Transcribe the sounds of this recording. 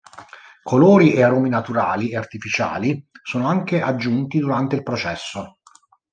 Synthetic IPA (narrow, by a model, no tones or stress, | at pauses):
kʰoloːɾiʔeaɾoːminat̪uɾaːlieart̪ifit͡ʃa̰ːlisoːnoaŋkeʔad͡ʒːunt̪id̪uɾant̪eilpɾot͡ʃɛsːo